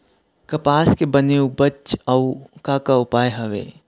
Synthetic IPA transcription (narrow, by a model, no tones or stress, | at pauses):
kɐpaːskebɐneũbɐt͡ʃɐwkaːkaʊpaːjɦɐʋḛː